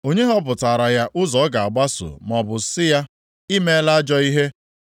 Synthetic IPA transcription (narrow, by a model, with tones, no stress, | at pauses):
o˦ɲe˦ɦɔ˦p̬ʊ˨ta˨ɾa˨ja˦ʔʊ˦zɔ˨˦ɡa˨a˨ɡ͡ba˦so̰˨mɔ˨bʊ˨sɪ˦ja˦ | i˦me˦la˦d͡ʒɔ˦i˦ɦe˦